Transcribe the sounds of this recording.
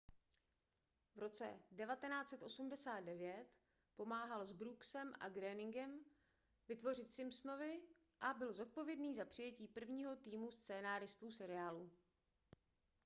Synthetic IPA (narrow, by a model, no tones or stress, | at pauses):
vɾo̞t͡sɛ̰dɛvat̪ɛnaːt͡sɛt̪ʔo̞sumdɛsaːd̪̚dɛvjɛt̪ | po̞maːɦalzbɾuksɛmʔa̰ɡɾɛːnɪŋɡɛm | vɪt̪vo̞r̝ɪt̪sɪmsno̞vɪ | ʔabɪlzo̞t̪̚po̞vjɛdniːzapr̥ɪjɛciːpr̩vɲiːɦo̞t̪iːmust͡sɛːnaːɾɪst̪uːsɛɾɪaːlu